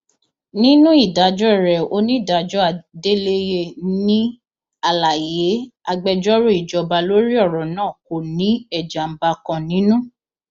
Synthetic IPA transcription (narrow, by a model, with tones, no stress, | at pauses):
nĩ˦nũ˦i˦˨da˨˦d͡ʒɔ˦ɛ˦˨ɾɛ˨o˧nĩ˦i˦˨da˨˦d͡ʒɔ˦a˧˨de˦le˦je˧nĩ˦ | a˧˨la˨je˨˦a˧ɡ͡bɛ˧d͡ʒɔ˦ɾo˦i˨d͡ʒɔ˨ba˧lo˦ɾi˦ɔ˦˨ɾɔ˨nãː˦˨ko˨nĩ˨˦ɛ˦˨d͡ʒa˨m̩˦ba˧kã˧nĩ˨˦nũ˦